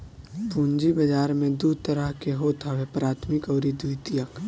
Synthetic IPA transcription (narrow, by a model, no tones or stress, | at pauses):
pũːɲd͡ʒibɐd͡ʒaːɾmẽd̪ud̪̚t̪əɾəɦkeɦoːt̪ʰaʋepɾaːt̪ʰmɪkɔːɾid̪uit̪ijək